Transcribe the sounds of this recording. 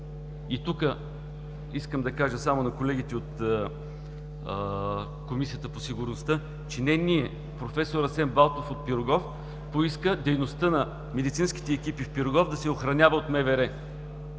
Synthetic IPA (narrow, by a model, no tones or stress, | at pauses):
it̪ukə | iskəmd̪ɐkaʒəsamonɐkolɛɡʲit̪ɛot̪ | komisijət̪əposiɡʊɾnost̪ɤ | t͡ʃɛnɛniɛ | pɾofɛsoɾɐsɛmbalˠt̪ofot̪̚piɾʊɡɔf | poiskəd̪ɛjnost̪ənɐ | mɛd̪it̪sinski̥t̪ɛːk̟ipifpiɾoɡɔfd̪ɐsɛoxɾɐnʲavəot̪mɛvɛɾɛ